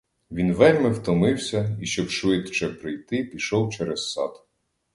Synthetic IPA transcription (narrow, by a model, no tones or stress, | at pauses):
ʋʲinʋɛɾʲmɪwt̪ɔmɪwsʲɐiʃt͡ʃɔbʃʋɪt̪t͡ʃɛpɾɪjt̪ɪpʲiʃɔwt͡ʃɛɾɛssɑ̰d̪